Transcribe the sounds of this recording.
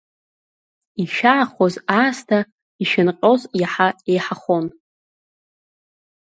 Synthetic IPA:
iʃᶣaːχozaːstʰa | iʃᶣɪnqʲʼo̞zjaħaejħaχon

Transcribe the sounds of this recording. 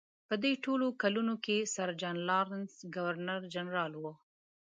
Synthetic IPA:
pəd̪eʈolokalunokesaɾd͡ʒɑnlɑɾnsɡawaɾnaɾd͡ʒanɾɑlwo

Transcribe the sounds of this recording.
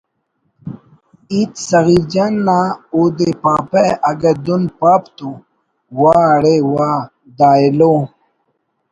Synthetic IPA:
it̪sɐɣid͡ʑanːaud̪epaːpeɐɡɐd̪unpaːpt̪u | waːɽewaː | d̪aːelo

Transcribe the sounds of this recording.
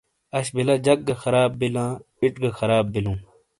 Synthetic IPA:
ɐɕbilãːd͡ʑɐk̚ɡɐxɐɾaːbːilãː | iʈɡɐxɐɾaːbːilũː

